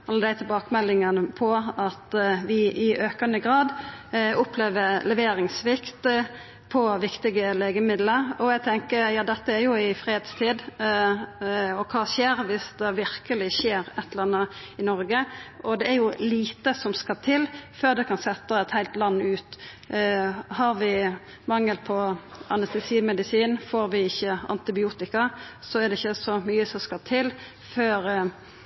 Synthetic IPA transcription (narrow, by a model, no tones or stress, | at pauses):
ɑlːəd̪æɪt̪ʰɪlbɑːkəmɛlːɪŋənəpʰɔɑt̪ʋɪʔɪʔøːkənəɡɾɑːd̪ʊpleːʋəɾlɛʋeːɾɪŋsʋɪkt̪ | pʰɔʋɪkt̪ɪɡəleːɡəmɪd̪ləɾɔæɡt̪ʰɛŋkəɾjɑːd̪ɛt̪ːəæɾjʊɪfɾeːd̪st̪ʰiːd̪ | ɔkʰɑːɕeːɾʋɪsd̪ɛʋɪɾkəlɪɕeːɾɛt̪ːlɑnːə | ɪnɔɾɡəʔɔd̪ɛæɾjʊliːt̪əsɔmskɑt̪ʰɪlføːʁd̪ɛkʰɑnsɛt̪ːəɛt̪hæɪlt̪lɑnːʉːt̪ | hɑɾʋɪ | mɑŋːəlpʰɔɑnɛst̪ɛsiːmɛd̪ɪsiːnfoːɾʋɪɪçːəɑ̰nt̪ɪbɪuːt̪ɪkɑsɔɛd̪ɛɪçːəsɔmyːəsɔmskɑt̪ʰɪl | føːɾ